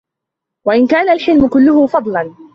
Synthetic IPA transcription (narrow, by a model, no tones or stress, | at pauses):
waʔɪnkaːnalħɪlmʊkʊlːʊhʊfɑd̪ˤlɑn